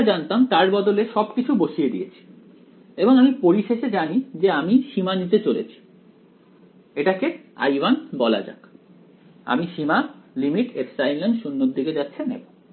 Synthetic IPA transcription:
d͡ʑant̪amt̪aɾbɔd̪oleʃɔbkit͡ɕʰuboʃijed̪ḭet͡ɕʰi̥ | eboŋamipoɾiʃeʃed͡ʑanid͡ʑeamiʃimanit̪et͡ɕolḛt͡ɕʰi̥ | eʈakea̰jbanbɔla̰d͡ʑa̰k | a̰miʃimalimiʈeksajllenʃunːoɾd̪iked͡ʑatːɕʰenḛboŋ

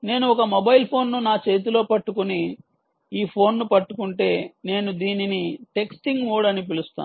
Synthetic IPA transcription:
ne̞ːnuɔkɐmobɐjilpʰo̞ːnːunaːt͡ʃe̞ːt̪̬ulo̞ːpɐʈːukuni | iːpʰo̞ːnːupɐʈːukuɳʈe̞ːne̞ːnud̪iːniniʈe̞ksʈiŋɡʋoːɽɐnip̬ilust̪a̰ː

